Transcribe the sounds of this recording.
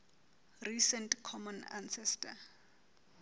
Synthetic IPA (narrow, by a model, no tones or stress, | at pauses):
risɛntkʰɔmɔna̰nsɛstʰa